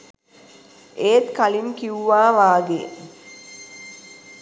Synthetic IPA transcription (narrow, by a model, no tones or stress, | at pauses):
eːt̪kalimkiuʋaːʋaːɡe